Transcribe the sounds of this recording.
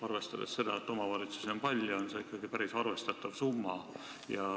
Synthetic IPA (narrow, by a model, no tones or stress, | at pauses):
ɑrve̞st̪ɑd̪esse̞d̪̥ɑet̪ːˑo̞mɑvɑlʲit̪su̥sempɑlʲːjuonseikːˑɑɡ̥ipæɾisɑrve̞st̪ɑt̪ːˑɑvsumːɑ | jɑ